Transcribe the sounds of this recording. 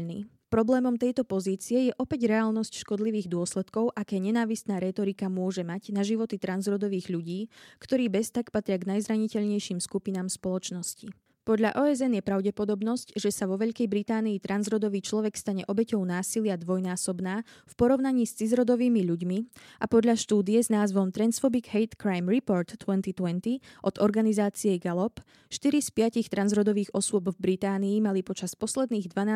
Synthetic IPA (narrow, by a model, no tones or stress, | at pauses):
nḭː | pɾɔblɛːmɔmt̪ɛjt̪ɔpɔziːt͡siɛjɛʔɔpɛɟɾɛaːlnɔscʃkɔd̪liʋiːɣd̪ʊɔslɛt̪kɔʊʔakɛːɲɛnaːʋist̪naːɾɛt̪ɔɾikamʊɔʒɛmaɟnaʒiʋɔt̪it̪ɾanzɾɔd̪ɔʋiːɣʎuɟiːkt̪ɔɾiːbɛst̪akpat̪ɾɪaɡnajzɾaɲicɛʎɲɛjʃiːmskupinaːmspɔlɔt͡ʃnɔsci | pɔd̪ʎa̰ʔɔɛzɛnjɛpɾaʊɟɛpɔd̪ɔbnɔscʒɛsaʋɔʋɛʎkɛjbɾit̪aːniːt̪ɾanzɾɔd̪ɔʋiːt͡ʃlɔʋɛkst̪aɲɛʔɔbɛcɔʊn̪aːsilɪad̪ʋɔjnaːsɔbnaːfpɔɾɔʊnaɲiːst͡sizɾɔd̪ɔʋiːmiʎuɟmiʔapɔd̪ʎaʃt̪uːd̪iɛznaːzʋɔmt̪ɾɛnsfɔbiɡɦɛjt̪kɾajmɾipɔɾt̪ːʊɛnt̪it̪wɛnt̪iʔɔd̪ɔɾɡanizaːt͡siɛɡalɔp | ʃt̪iɾispɪacixt̪ɾanzɾɔd̪ɔʋiːɣɔsʊɔbvbɾit̪aːniːmalipɔt͡ʃaspɔslɛd̪niːɣd̪ʋanaː